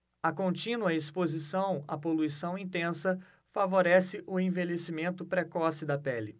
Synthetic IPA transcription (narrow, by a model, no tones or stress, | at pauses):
ɐkõnt͡ʃĩnuɐespozisɐ̃w̃ɐ̰poluisɐ̃w̃ĩnt̪ẽsɐ | favoɾɛsɪʔʊẽvelesimẽnt̪ʊpɾekɔsɪd̪ɐpɛlɪ